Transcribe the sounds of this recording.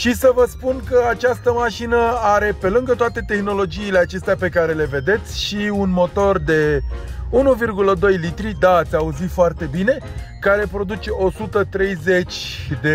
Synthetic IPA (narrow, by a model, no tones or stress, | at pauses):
ʃisəvəspunkəat͡ʃast̪əmaʃinəaɾe̞pe̞lɨŋɡət̪oat̪e̞t̪e̞xno̞lo̞d͡ʒiːle̞at͡ʃe̞st̪eape̞kaɾe̞le̞ve̞d̪e̞t̪sʲʃiunmo̞t̪o̞rd̪e̞ | unuvirɡuləd̪o̞jlit̪ɾid̪aːt̪sʲauzit̪foart̪e̞bine̞kaɾe̞pɾo̞d̪ut͡ʃe̞ʔo̞sut̪ət̪ɾe̞jze̞t͡ʃʲd̪e̞